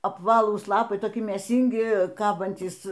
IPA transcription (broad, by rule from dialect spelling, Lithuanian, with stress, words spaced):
ɐpˈʋɑːlˠuːs ˈlˠɑːpɐɪ toːˈkʲɪ mʲeːˈsʲiːŋʲɡʲɪ ˈkɑːbɐnʲtʲiːs